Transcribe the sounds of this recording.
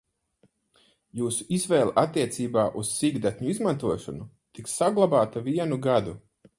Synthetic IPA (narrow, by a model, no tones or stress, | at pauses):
juːsuizvɛːlˠʔat̪ːiɛt̪siːbaːʔussiɡd̪at̪ʲɲuizmant̪uɔʃɔnu | t̪iksːaɡlˠabaːt̪aviɛnuɡad̪u